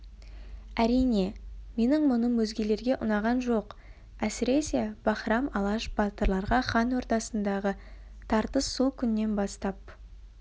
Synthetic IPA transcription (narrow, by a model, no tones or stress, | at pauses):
æɾijne̞me̞nɪŋmʊnəmwɵzɡʲe̞le̞ɾɡʲe̞ʔʊnɑʁɑnʒo̞q | æsɪɾe̞se̞b̥ɑχɾɑmɑlˠɑʃb̥ɑt̪əɾlˠɑɾʁɑχɑnwo̞ɾt̪ɑsənd̪ɑʁə | t̪ʰɑɾt̪əsːukʲʰʏnːe̞nbɑst̪ɑp̚